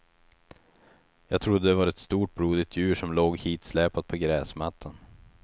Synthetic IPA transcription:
jɑːɡ̚t̪ʰɾʊd̪ːəd̪ɛvaɾɛt̪st̪uːʈ̚bɾuːd̪ɪt̪ʰjʉ̟ːʂɔmloːɡhiːt̪slɛːpat̪̚pʰɔɡɾɛːsmat̪ʰːan

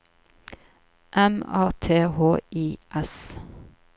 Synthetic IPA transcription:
ʔɛmæ̰ːt̪ʰeːhoːiːʔɛs

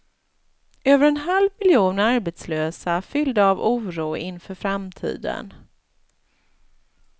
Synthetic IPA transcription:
øːvəɾɛnɦalvmɪljuːnaɾbɛt̪sløːsafʏld̪əavuːɾuːɪnfœːɾfɾamt̪ʰḭːd̪ə̰n

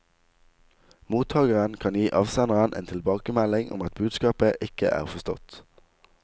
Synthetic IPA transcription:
muːt̪ʰɑːɡəʁənkʰɑnjiːʔɑːʋsɑnəʁənʔḛːnt̪ʰɪlbɑːkəmælɪŋʔɔ̰mɑt̪̚bʉːd̪skɑːpəʔɪkə̰ʔæ̰ːʁfɔst̪ɔ̰t̪

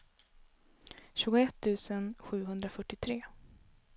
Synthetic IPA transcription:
ɕʉ̟ːɡʊɛt̪ʰːʉ̟ːsənɧʉ̟ːɦɵnd̪ɾafœʈːɪt̪ʰɾeː

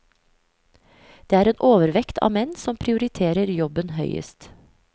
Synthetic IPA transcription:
d̪̥eːæːɾeːnʔoːʋəɾʋɛkt̪ʰɑ̰ːmɛnsɔmpʰɾɪʊɾɪt̪ʰeːɾəɾjɔbənhœʏə̰st̪

